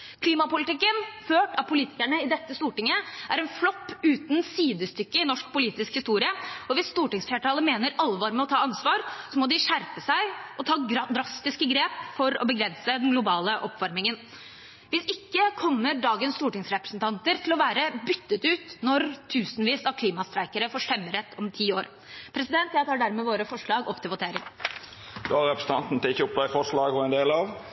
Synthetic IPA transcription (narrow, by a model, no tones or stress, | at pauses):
kʰliːmɑpʊlɪt̪ɪkːənføːʈɑʋpʰʊliːt̪ɪ̥kæɳəɪd̪ɛt̪ːəst̪uːʈɪŋːəʔæɾɛnflɔpːʉːt̪nsiːd̪əst̪ʏkːəɪnɔʂk̚pʰʊliːt̪ɪskhɪst̪uːɾɪəɔʋɪsːt̪uːʈɪŋsfeːʈʰɑːləmeːnəɾɑlʋɑːɾmɛɔt̪ʰɑːɑnsʋɑːɾsɔmɔd̪ɪʂæɾpəsæɪʔɔt̪ʰɑːd̪ɾɑst̪ɪskəɡɾeːpfɔɾɔ̰bəɡɾɛnsəd̪ɛnɡlʊbɑːləʔɔpʋɑɾmɪŋən | ʋɪsɪkːəkʰɔmːəɖɑːɡənst̪uːʈɪŋsɾɛpɾəsnt̪ʰɑnt̪əɾt̪ʰɪlɔʋæːɾəbʏt̪ːət̪ʉːt̪nɔɾt̪ʰʉːsnʋiːsɑɾkʰliːmɑst̪ɾæɪkəɾəfoːʂɛmːəɾɛt̪ʰːɔmt̪ʰiːoːɾ | pʰɾɛsɪd̪ɛnt̪jæɪt̪ʰɑːɖæɾmɛʋoːɾəfɔʂɭɑːɡɔpːt̪ʰɪlʋʊt̪ʰeːɾɪŋ | d̪oɑɾɛpɾəsən̩t̪ɑ̰nt̪n̩t̪ɪlɪçːəʊp̚d̪æɪfɔʂɭɑːɡhɔɛnd̪eːlɑʋ